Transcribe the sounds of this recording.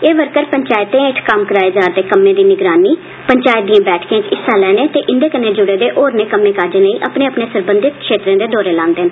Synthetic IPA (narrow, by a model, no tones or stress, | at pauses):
eːʋəɾkəɾpəɲt͡ʃaːɪt̪ẽːɪʈʰkəmkəɾaːeːd͡ʒaːɾd̪eːkəmẽːd̪iːnɪɡɾaːniː | pəɲt͡ʃaːɪt̪̚d̪iːãːbɛːʈʰkjãːt͡ʃɪsːaːlɛːneːt̪eːʔɪnd̪eːkəneːd͡ʒʊɽeːd̪eːʔoːɾneːkəmeːkaːd͡ʒeːləiːʔəpneːəpneːsəɾbənd̪ɪk̪kʃeːt̪ɾẽːd̪eːd̪ɔːɾeːlãːnd̪eːn